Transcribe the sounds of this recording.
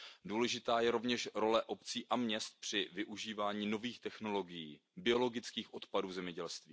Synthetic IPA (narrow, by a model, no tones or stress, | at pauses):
duːlɛʒɪt̪aːjɛɾo̞vɲɛʃɾo̞lɛʔo̞pt͡siːʔamɲɛst̪̚pr̝̥ɪvɪʔuʒiːvaːɲiːno̞viːxt̪ɛxno̞lo̞ɡɪjḭː | bɪo̞lo̞ɡɪt͡skiːxʔo̞t̪paduːzɛmɲɛɟɛlst̪viː